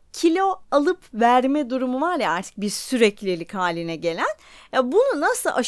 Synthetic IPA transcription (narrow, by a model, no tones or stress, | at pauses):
cʰilʲo̞alˠɯpvæɾmɛd̪uɾumuvaɾjaaɾt̪ʰɯ̥k̚biɾsyɾɛclʲelʲikhaːlʲinɛɟe̞lʲænjabununasɯlˠʔaʃ